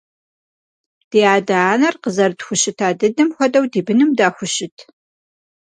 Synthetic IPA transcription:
d̥iːaːdaaːnɐrqəzɐrdxʷʊɕɪtʰaːdɐdɐmxʷɔdɐwdiːbɨnɨmdaːxʷʊʃɪtʰ

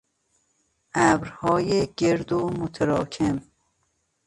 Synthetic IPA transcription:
ʔæbɾhɒːjeɡeɾd̪omot̪ʰeɾɒːkʲʰem

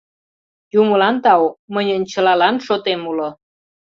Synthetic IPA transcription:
juməlɑnt̪ɑwmənʲənt͡ɕəlɑlɑnʃot̪emulo

